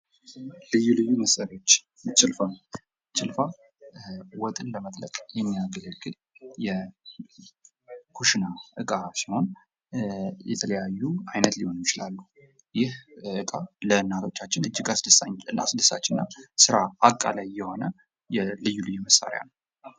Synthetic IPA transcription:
lɨjːulɨjːuməsːaɾio̞t͡ʃː | t͡ʃʼːɪlfa | t͡ʃɨlfa | wɔt̪ʼɨnləmət̪ʼləkʼjɛmːijaɡələɡɨl | jɛ | kʰuʃɨnaʔɨkʼasiho̞n | jɛt̪ʰələjajːuajnət̪liho̞nmjɪt͡ʃɪlalːuh | jɪhɨkʼalənːat̪ʰo̞t͡ʃːat͡ʃːɪnɨd͡ʒːɪɡasɨsaɨna̰sɨdɨsa̰t͡ʃːɪnːasɨɾaakʼːa̰lajːɛho̞nə | jɛlɨjːulɨjːuməsa̰ɾja̰nəw

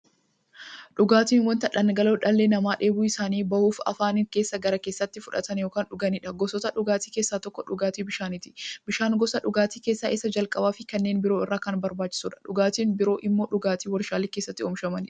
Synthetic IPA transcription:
ᶑʊɡaːt̪iːnwɔnt̪ɐᶑɐnɡɐloːᶑɐlːeːnɐmaːᶑe̞ːbuɪsaːniːbɐhuːfɐ̰faːnɪŋke̞ːsːɐɡɐɾɐke̞ːsːɐt̪ːɪfʊᶑɐt̪ɐnjoːkaːnᶑʊɡɐnɪᶑɐɡɔsɔt̪ɐᶑʊɡaːt̪iːkeːsːaːt̪ɔkːɔᶑʊɡaːt̪iːbɪʃaːnɪt̪ɪ̥bɪʃaːŋɡɔsɐᶑʊɡaːt̪iːkeːsːaːʔɪsːɐd͡ʒɐlkʼɐbaːfɪkɐnːeːnbɪɾo̞ːɪrːaːkɐnbɐɾbaːt͡ʃːɪ̥suːᶑɐ̥ᶑʊɡaːt̪iːnbɪɾo̞ːʔɪmːo̞ːᶑʊɡaːt̪iːwɔɾʃaːlɪkeːsːɐt̪ːɪɔmʃɐmɐnɪᶑɐ̥

